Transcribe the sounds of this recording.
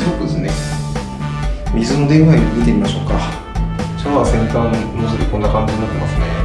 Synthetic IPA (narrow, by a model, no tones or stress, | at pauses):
sɨjokɯ̟d̪sɨne | mʲizɨno̞d̪ẽ̞ɰ̃βaimʲit̪̬emʲimaɕo̞kːa | t͡ɕaaβasẽ̞ŋkãnnosɨɾiko̞nːakãɲ̟d͡ʑiɲinat̪ːe̞masɨnḛ